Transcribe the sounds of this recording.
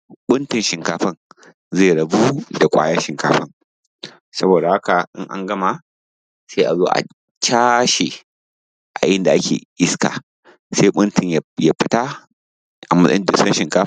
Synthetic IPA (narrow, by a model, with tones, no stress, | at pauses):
ɓʊ˦ntɪ˨nʃɪ˨ŋkaː˦ɸɐ˦ŋ | ze˦˨ɽɐ˨bu˦da˨kʷʼa̰ː˦ja˦ʃɪ˨ŋkaː˦ɸɐ˦ŋ | sɐ˦boː˨da˨ha˦ka˨ʔɪ̰˦ŋʔa̰˦ŋɡɐ˦ma˨ | se˦ʔa˨zoː˦ʔa̰˨ | t͡ʃaː˦ʃe˨ | ʔa˨jɪ˦nda˨ʔa˦kʲʰḛː˨ʔɪ˦ska̰ː˨ | seː˦ɓʊ˦ntɪ˨ɲjja˦ɸɪ˦ta˦ | ʔa˨mɐ˦sʼɐ̰˦ɪ˦dɪ˨skɐ˦nʃɪ˨ŋkaː˦